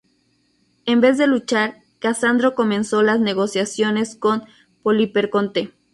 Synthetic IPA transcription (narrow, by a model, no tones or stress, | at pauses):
embe̞zðe̞lut͡ʃaɾ | kasand̪ɾo̞ko̞mẽ̞nso̞lazne̞ɣ̞o̞sjasjo̞ne̞sko̞n | polipeɾko̞nt̪e